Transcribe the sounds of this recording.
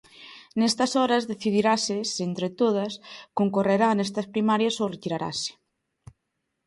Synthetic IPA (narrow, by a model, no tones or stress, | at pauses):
nɛst̪ɐsɔɾɐzðeθiðiɾasɪsent̪ɾet̪oð̞ɐskoŋkoreɾanɛst̪ɐspɾimaɾjɐsoret̪iɾaɾa̰se̥